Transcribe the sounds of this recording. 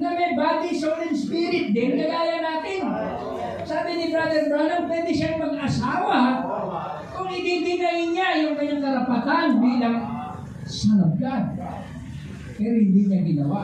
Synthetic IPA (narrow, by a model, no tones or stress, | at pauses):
nɐmɐjbaːd̪isolɪnspiɾɪt̪̚d̪ɛnkɐɡaːjanaːt̪ɪn | saːbɪnɪbɾad̪ɛɾbananpwɛːd̪ɪʃaŋmɐɡɐsaːwa | kʊŋhɪnd̪ɪnt̪ɪnd̪aʔɪɲajʊŋkɐɲːaŋkɐɾɐpat̪anbiːlaŋ | sɐnab̚ɡad̪ | pɛːɾohɪnd̪ɪɲaɡɪnɐ̰wa